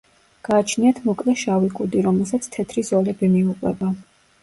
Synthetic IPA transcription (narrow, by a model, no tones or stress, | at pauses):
ɡ̥aːt͡ʃʰniat̪ʰmɔkʼlɛʃavikʼud̪iɾɔmɛlˠsat̪sʰt̪ʰɛt̪ʰɾizɔlɛbimiuqʼwɛ̰ba